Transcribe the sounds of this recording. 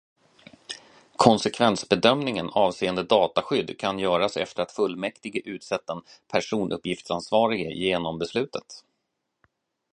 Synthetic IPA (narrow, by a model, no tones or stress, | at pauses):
kʰɔnsɛkʰvɛnsbɛd̪œmnɪŋənɑːvseːənd̪əd̪ɑːt̪aɧʏd̪ːkʰanjœːɾasɛ̰ft̪əɾat̪fɵlːmɛkt̪ɪɡəʔʉ̟ːt̪sɛt̪ːaɛnpʰæʂuːnʔɵ̰pːjɪft̪sansvɑːɾɪɡə̰jeːnɔmbɛslʉ̟ːt̪ət̪